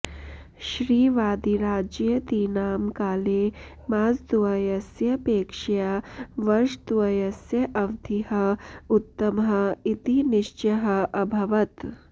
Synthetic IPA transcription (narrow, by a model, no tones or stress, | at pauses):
ʃɾiːʋaːd̪iɾaːd͡ʒjɐt̪iːnaːmkaːleː | maːzd̪ʋɐjɐsjɐpeːkʂjaʋɐɾʃd̪ʋɐjɐsjɐʔɐʋd̪ʱiɦɐut̪ːɐmɦɐit̪inɪʃt͡ʃɐɦɐ̆ʔɐbʱɐʋɐt̪